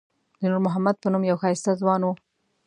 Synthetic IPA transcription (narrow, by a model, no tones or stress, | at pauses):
d̪ənuɾmʊɦamad̪̚pənumjawxɑjɪst̪azwɑnwu